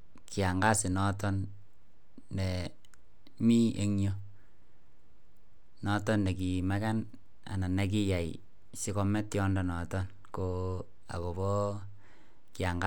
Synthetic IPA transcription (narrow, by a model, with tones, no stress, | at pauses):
ki˨a˨ŋɡa˦sɪ˨nɔ˦tɔ˦nː | dɛ˨ | mi˦ʔe˦ŋjo˦ | nɔ˦tɔ˦nde˨k̬i˨ma˦ka˦n | a̰˨na˨na˦k̬i˦ja˨ḭ | sɪ˦kɔ˦mɛ˦tjɔ˦ndɔ˨nɔ˨tɔ˦n | ko | a̰˨ko˨bɔ˦ | kɪa˨ŋɡa˦